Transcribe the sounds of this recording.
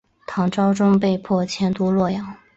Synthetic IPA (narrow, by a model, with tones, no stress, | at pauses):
t̪ʰɑ˧˥ŋʈ͡ʂɑ˥ʊʈ͡ʂʊ˥ŋp̬e˥˧ɪpʰwɔ˥˩t͡ɕʰjɛ˧˥nt̪u˥lwɔ˥˩jɑ˨˥˦ŋ